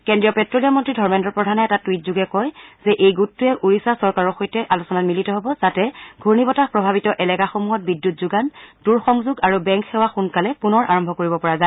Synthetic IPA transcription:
kɛndɹijɔpɛtːɹoliamɔntɹidʱɔɹmɛndɔɹpɹɔdʱanɛɛtatwit̚zuɡɛkɔjzɛʔejɡutːuɛʔuɹisasɔɹkaɹɔɹxɔjtɛʔalusɔnatmilitɔɦobɔzatɛɡʱuɹnibɔtapɹɔbʱabitɔʔɛlɛkaxomuɦɔt̚bidːjutzuɡanduɹxɔŋzuɡaɹubɛŋkxɛwaxunkalɛpunɔɹʔaɹɔmbʱɔkoɹibɔpɔɹaza

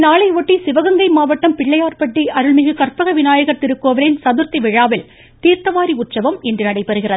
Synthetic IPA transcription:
naːɭɐɪʋoʈːisɪʋɐɣɐŋɡɐɪmaːʋɐʈːɐmpɪɭːɐjaːrpɐʈːiʔɐɾɯɭmɪɣɯkɐrpɐɣɐʋɪnaːjɐɣɐt̪ɪɾɯkːɯʋɐʋɐɾɪnsɐðɯɾt̪iʋɪɻaːʋɪl | t̪iːɾt̪ɐʋaːɾiʊʈsɐʋɐmɛndrɯnɐɽɐɪpːɛɾɯɣɪrɐðɯ

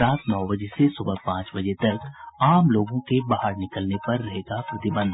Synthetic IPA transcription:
ɾaːt̪nɔːbɐd͡ʒesesʊbəpãːt͡ʃbɐd͡ʒet̪ɐɾkaːmloːɡõkebaːɦaɾnɪkəlnepɐɾːɐɦeːɡapɾɐt̪ɪbə̃nd̪ʱ

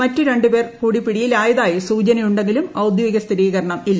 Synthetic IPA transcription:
ɐtːuɾe̞ɳɖupe̞ːrkuːɽipːiɽijilaːjɐðaːjisuːt͡ɕɐnɐjuɳɖe̞ŋɡilumɐwd̪joːiɡɐst̪ʰiɾiːɣɐɾɐɳɐmilːɐ

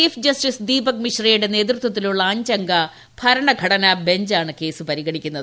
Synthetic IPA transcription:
iːfd͡ʑɐsʈisd̪iːbɐk̚miʂrɐjuɽe̞ne̞ːd̪rɨt̪wɐt̪ːiluɭːɐaːɲd͡ʑɐŋɡɐ | b̥ʱɐɾɐɳɐɡʱɐɽɐnɐbe̞ɲd͡ʑaːɳɨke̞ːsɨpɐɾiɣɐɽikʲːunːɐðɨ

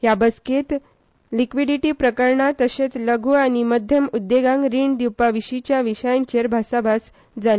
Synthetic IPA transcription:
ɦjabəsket̪ | likʋiɖiʈiːpɾəkəɾɳat̪əɕet͡sləɡʱuːañiməd̪ʱjəmud̪ːeɡãŋɡɾiːɳɖd̪iwpaʋiɕit͡ɕjaʋiɕəjaɲt͡ɕeɾbʱasabʱas | d͡zale

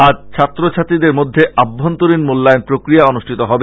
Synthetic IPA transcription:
ad͡ʑt͡ɕʰat̪ːɾot͡ɕʰat̪id̪eɾmod̪ʱːeʔabʱːont̪oɾinmulːaenpɾokɾijaonuʃʈʰit̪oɦɔbe

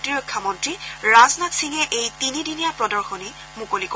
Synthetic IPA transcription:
tiɹɔkʰːamɔntɹiɹaznatsiŋɛʔejtinidinijapɹɔdɔɹxɔni | mukolik

